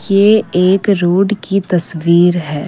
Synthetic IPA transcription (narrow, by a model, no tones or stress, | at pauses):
jeeːkɾoːɖkit̪ɐsʋiːɾɦɛː